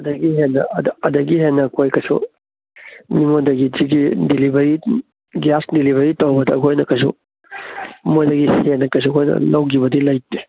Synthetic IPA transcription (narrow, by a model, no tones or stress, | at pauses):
ɐdɐɡiɦenːɐɐdɐdɐɡiɦenːɐkʰojkɐsṵ | nimodɐɡid͡ʒiɡidelibɐɾi | ɡasdiliβɐɾitɐwbɐdɐːkʰojnɐkɐs̬ṵ | mojdɐɡisenɐkɐs̬ukʰojnɐ̰lɐwɡiβɐdilɐjtːi